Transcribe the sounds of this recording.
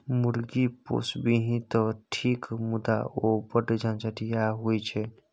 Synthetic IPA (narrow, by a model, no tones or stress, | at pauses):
muɾɡipo̰sbiɦĩt̪ɔʈʰikmud̪a̰obəɖd͡ʒant͡ʃəʈijaɦojt͡ʃʰɛ